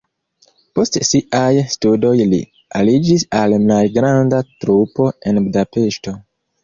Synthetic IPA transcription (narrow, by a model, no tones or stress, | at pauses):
po̞stsiʔajstudo̞jlḭ | alid͡ʒisalmajɡɾandatɾupo̞e̞nbudape̞ʃto̞